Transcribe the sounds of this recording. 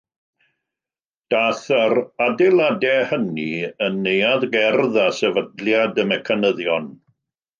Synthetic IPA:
d̥aθaɾadɛladɛhəniənːejaðɡɛrðasɛvədljadəmɛkʰanəðjɔn

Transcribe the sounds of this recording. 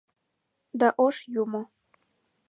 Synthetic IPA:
d̪aʔoʃjumo

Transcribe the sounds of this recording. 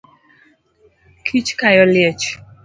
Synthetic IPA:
kʰit͡ʃkajɔljɛt͡ʃ

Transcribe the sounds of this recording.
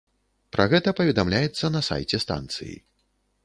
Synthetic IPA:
pɾaɣɛt̪ɐpɐvʲɛd̪amlʲajɛt̪sːɐnɐsa̰jt͡sʲɛst̪a̰nt̪sɨ̰jḭ

